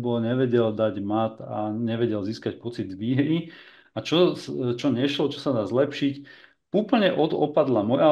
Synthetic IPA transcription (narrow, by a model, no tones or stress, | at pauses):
bɔlɲɛʋɛɟɛld̪aɟmat̪aɲɛʋɛɟɛlziːskac̚pɔt͡sid̪ʋiːɦɾi | at͡ʃɔst͡ʃɔɲɛʃlɔt͡ʃɔsad̪aːzlɛpʃic | uːpl̩ɲɛʔɔd̪ɔpad̪lamɔja